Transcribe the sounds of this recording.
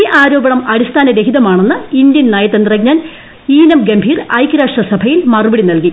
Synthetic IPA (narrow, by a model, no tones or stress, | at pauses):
iːʔaːɾo̞ːbɐɳɐmɐɽist̪ʰaːnɐɾeɦiðɐmaːɳenːɨind̪jɐnnaːjɐt̪ːend̪rɐɡ̚ɲaːn | iːnɐmɡembʱiːrɐjkɾaːʂɐsɐbʱɐjilmɐrɨbɐɽinɐlki